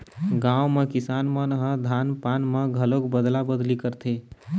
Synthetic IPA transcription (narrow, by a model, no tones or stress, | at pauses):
ɡãwmekisanmənɦə̃d̪ʱanpanmeɡʱəlokbəd̪labəd̪likəɾt̪ʰe